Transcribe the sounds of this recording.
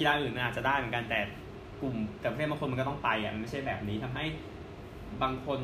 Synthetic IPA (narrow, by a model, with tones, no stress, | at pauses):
i˧laː˧ʔɯː˨˩nma˧nʔaː˨˩t̚t͡ɕa˨˩daː˥˩jmɯ˩˦ŋka˧nt̪ɛː˨˩ | ku˨˩mt̪ɛː˨˩pa˧˥˩ba˧ko˧m˧kɔ˥˩t̪ɔ˥˩ŋpa˧jʔa̰˨˩m˧nma˥˩t͡ɕʰa˥˩jbɛː˨˩p̚niː˦˥t̪ʰa˧mɦa˥˩j | baː˧ŋkʰo˧n